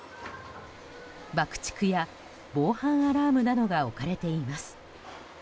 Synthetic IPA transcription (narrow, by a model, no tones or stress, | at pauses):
bakɯ̟̥t͡ɕi̥kɯ̟ja | bo̞ːhãɰ̃aɾaːmɯ̟nano̞ɡao̞kaɾe̞t̪e̞imasɨ̥